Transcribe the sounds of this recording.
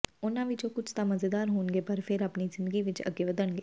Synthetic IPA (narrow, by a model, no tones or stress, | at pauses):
ʊnãʋid͡ʒõkʊt͡ʃʰt̪amɐzed̪aːɾɦoːnɡepɐɾfʰɪɾɐpnizɪ̃nd̪əɡiʋɪt͡ʃɐ̰ɡeʋəd̪ənɡeː